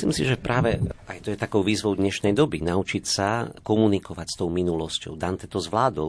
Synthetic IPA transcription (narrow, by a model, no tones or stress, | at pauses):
sliːmsiʒɛpɾaːʋɛajt̪ɔjɛt̪akɔʊʋiːzʋɔʊd̪ɲɛʃnɛjd̪ɔbinaut͡ʃicsakɔmunikɔʋacst̪ɔʊminulɔscɔ̰ʊd̪ant̪ɛt̪ɔzʋlaːd̪ɔ